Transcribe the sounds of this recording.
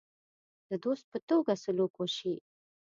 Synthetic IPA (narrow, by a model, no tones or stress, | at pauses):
d̪̥əd̪ost̪̚pət̪oɡasʊlokoʃi